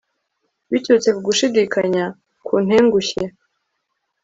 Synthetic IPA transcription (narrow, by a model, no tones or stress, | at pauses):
βitut͡se̞kuɡuʃidiːkaɲa | kʰuːn̥heːŋɡuçe